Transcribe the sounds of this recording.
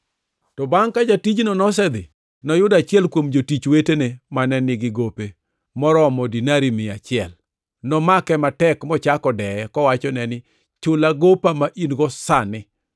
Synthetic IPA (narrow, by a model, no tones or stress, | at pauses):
tɔbaŋkad͡ʒatid͡ʒnɔnɔs̬ɛd̪ɪ | nɔjʊdat͡ʃɪɛlkwomd͡ʒotit͡ʃwetenemanɛnɪɡɪɡope | mɔɾɔmɔdinaɾimɪat͡ʃɪɛl | nɔmakɛmatɛkmɔt͡ʃakɔdɛɛkɔwat͡ʃɔnɛnɪ | t͡ʃʊlaɡopamaʔinɡɔsanɪ